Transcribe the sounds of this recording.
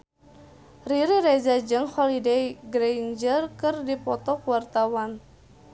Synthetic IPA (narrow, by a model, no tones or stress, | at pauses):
riɾiɾɛd͡ʒad͡ʒɨŋhɔlidejɡɾejnd͡ʒərkɨrdipɔt̪ɔkuwart̪awan